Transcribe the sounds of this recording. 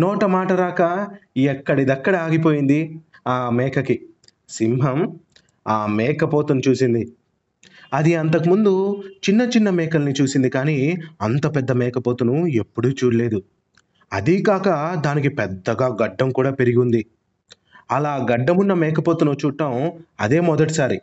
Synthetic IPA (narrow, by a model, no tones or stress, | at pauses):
nɔːʈɐmaːʈɐɾaːkɐɛkːɐɽid̪ɐkːɐɽɐaːɡipo̞ːjind̪i | aːmɛːkʰɐki | simɦɐm | aːmɛːkɐpoːt̪unut͡ʃuːsind̪i | ɐd̪iɐnt̪ɐkimund̪ut͡ʃinːɐt͡ʃinːɐmɛːkɐlɐnit͡ʃuːsind̪ikaːniːɐnt̪ɐpɛd̪ːɐmɛːkɐpo̞ːt̪unue̞pːuɽut͡ʃuːɽɐle̞ːd̪u | ɐ̰d̪ikaːkɐd̪aːnikipɛd̪ːɐɡaːɡɐɖːɐmkuːɽaːpe̞ɾiɡund̪i | ɐlaːɡɐɖːɐmunːɐmɛːkɐpoːt̪unut͡ʃuːʈːɐmɐ̰d̪e̞ːmɔd̪ɐʈisaːɾi